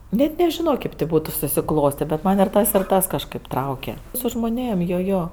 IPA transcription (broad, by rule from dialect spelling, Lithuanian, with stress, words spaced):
nʲɛt nʲɛʒʲɪˈnoː ˈkʲeːp tʲeː ˈbuːtʊ sʊsʲɪˈklˠoːsʲtʲeː bʲɛt ˈmɐnʲ ɪr ˈtɐs ɪr ˈtɐs kɐʃˈkɜp ˈtrɐʊkʲɛ sʊ ʒmoːˈnʲeːm ˈjoː ˈjoː